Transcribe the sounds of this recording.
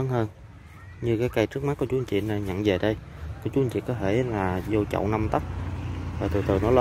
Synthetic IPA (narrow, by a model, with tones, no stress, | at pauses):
ə˨˦nhəː˧n | ɲɨ˧kaː˨˦jka˧jt͡ɕɨ˦˥ək̚ma˦˥ku˧˦t͡ɕu˨˦˨nt͡ɕḭ˧˨nə˧ɲə̰˧˨nve˨˩ɗə˧jkɔ˨˦t͡ɕu˨˦ʔt͡ɕḭ˧˨kɔː˨˦t̪ʰe˧˩laː˨˩zo˧t͡ɕə̰˧˨wna˧mt̪ə˦˥k͡p̚vaː˨˩t̪ṵ˨˩t̪ʰɨː˨˩nɔ˨˦lə˧